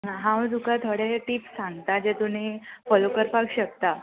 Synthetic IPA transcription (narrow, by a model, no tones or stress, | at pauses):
ãɦãwd̪ukat̪ʰoɽeʈiːpsãŋɡt̪ad͡ʑet̪unifɔlokəɾpaɡɕək̚t̪a